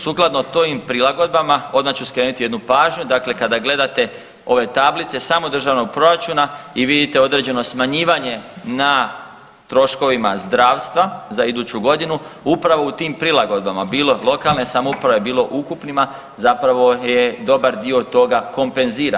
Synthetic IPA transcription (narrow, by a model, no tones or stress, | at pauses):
suklˠad̪not̪oimpɾilˠaɡo̞d̪̚bamao̞d̪mat͡ɕuskɾe̞ːnut̪ije̞d̪nupaːʒɲud̪akle̞kad̪aɡle̞d̪at̪e̞ | o̞ʋe̞t̪ablit̪se̞saːmo̞d̪r̩ʒaːʋno̞ɡ̚pɾo̞ɾat͡ʃunaiʋid̪it̪eo̞d̪ɾe̞d͡ʑeno̞smaɲiːʋaɲe̞na | t̪ɾo̞ʃko̞ʋimazd̪ɾaːʋst̪ʋazaid̪uːt͡ɕuɡo̞d̪inuupɾaʋo̞ut̪iːmpɾilˠaɡo̞d̪̚bamabiːlo̞lˠo̞kalˠne̞samoupɾaʋo̞je̞biːlo̞ʔukupnima | zapɾaʋo̞jed̪o̞baɾd̪io̞t̪o̞ɡako̞mpe̞nziːɾa